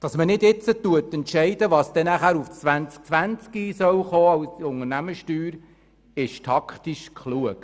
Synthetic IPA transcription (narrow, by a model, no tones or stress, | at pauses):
d̥ɑsmənɪdɪt͡sət̪uətɛntʃɛɪdəʋɑːsd̥̪ɛnæχæːɾuft͡sʋænt͡sk̚t͡sʋænt͡skisœwχoːɑwsʊŋənæməʃtyːɾ | ɪʃtʰɑkʰt̪iʃkʰχluək